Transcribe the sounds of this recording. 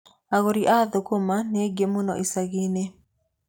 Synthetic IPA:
aɣoɾiʔaðokomaneɡemʊnɔ̰ʔisaɣine

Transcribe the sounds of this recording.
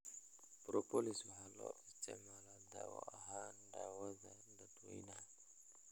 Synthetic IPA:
pɾɔpɔliswɦalɔ̰ʔitɛmalada̰wɔ̰aɦandawazandatuḭna

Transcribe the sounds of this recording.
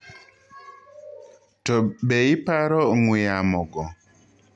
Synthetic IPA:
tɔbeipaɾɔŋujamɔɡɔ

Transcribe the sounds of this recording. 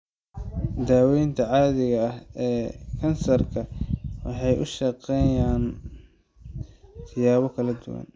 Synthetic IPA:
d̪aːwɛjnt̪ʰɐʕɑːðɪɣɐɐhɛːkʰɐnsɐrkʰɐwɑ̰ħɑjʔʊ̰ʃɑqɛjaːn | t̪ʰɪjaːβɔkʰɐlɐd̪ʊwɐ̰n

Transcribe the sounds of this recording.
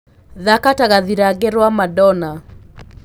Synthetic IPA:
ðakataɣaðiɾaɡɛɾwamadɔna

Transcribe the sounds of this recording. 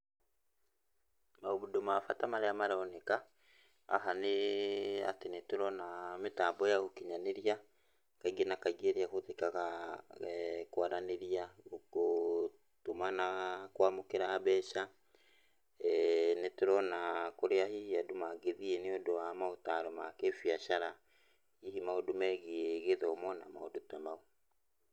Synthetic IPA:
maoβudomafatamaɾeamaɾaoneka̰ː | ɦane | a̰tinetuɾɔnametaːbɔjaɣokiɲaneɾia | kaiɡenakaiɡeɾiakoðekaɣa | kwaɾaneɾiaoko | tomanakwamokeɾaːβɛːʃa | netoɾɔnakoɾeahihiadomaɡeðieneodoamaotaɾɔmakefiaʃaɾa | ihimaodomɛɣieɣeðɔɔmɔnamaodotamao

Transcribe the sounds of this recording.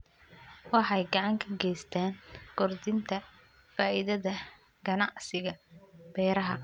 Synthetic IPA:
wɑħɑjɡɑʕɑŋkʰɐɡɛjst̪ʰaːnkʊrd̪ɪnt̪ʰɐ | faːʔɪðɐðɐ | ɡ̥ɐnɑʕsɪɣɐb̥ɛːɾɐɦɐ

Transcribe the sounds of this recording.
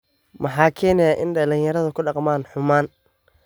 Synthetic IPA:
mʔɑħɑːkʰɛːnɛjaːʔɪnɖɐlɪnjɐɾɐðɐkʰʊɑqmaːnħʊmaːn

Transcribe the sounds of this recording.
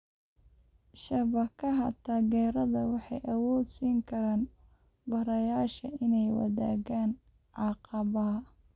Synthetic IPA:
ʃɐβɐkʰɐɦɐt̪ʰaːɣɛːɾɐðɐwɑħɑjʔɐwɔːd̪siːŋkʰɐɾaːn | bɐɾɐjaːʃɐʔɪnɛjwɑ̰ða̰ːɣaːn | ʕɑqɑβɐɦɐ

